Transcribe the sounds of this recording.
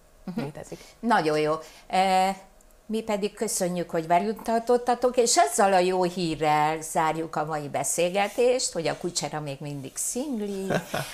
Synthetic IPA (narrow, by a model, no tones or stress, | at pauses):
ɦet̪ɛinɒɟo̞jjoː | mipɛd̪ikkø̞sø̞ɲːykho̞ɟʋɛljut̪ːɒt̪o̞t̪ːɒt̪o̞keːʃɒzːɒlɒjoːhiːrːɛlz̥aːrjukɒmɒjibɛseːlɡɛt̪eːʃt̪ho̞ɟɒkut͡ʃɛɾɒmeːɡmind̪iɡsiŋɡli